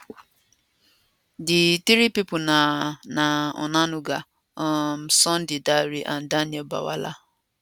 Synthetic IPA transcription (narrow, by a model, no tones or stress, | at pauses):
dɪtiɾipipʊnanaɔ̰nanʊɡa | ɔm̩sɔn̩dɪdaɾiʔan̩danielba̰wa̰la